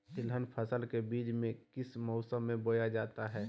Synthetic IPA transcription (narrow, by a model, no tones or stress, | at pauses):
sɪlɦənpʰəsəlkebiːd͡ʒmẽkɪsmɔʊsəmːẽbojad͡ʒaːt̪aɦɛː